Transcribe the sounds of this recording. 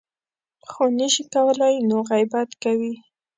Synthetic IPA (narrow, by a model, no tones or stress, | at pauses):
xonəʃikawəlajnoɣajbat̪kawi